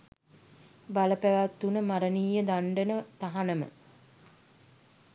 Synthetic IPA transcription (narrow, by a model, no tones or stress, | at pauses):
baləpæʋat̪ːunəmaɾəniːjəd̪aɳɖənət̪aɦanəmə̰